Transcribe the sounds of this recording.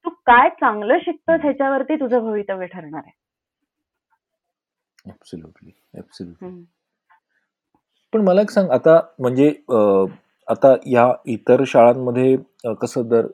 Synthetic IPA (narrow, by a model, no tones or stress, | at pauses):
t̪uːkajt͡saŋɡləːɕik̚t̪əːt̪jat͡ɕjaʋəɾt̪iːt̪ud͡zʱəbʱəʋit̪əʋeʈʰəɾɳaɾe | æbsoljṵːʈli | æ̰bsoljuʈi | pəɳməlaiksãŋɡat̪am̤əɳd͡zeə | at̪ajait̪əɾɕaɭamːəd̪ʱːje | kəsəːd̪əɾ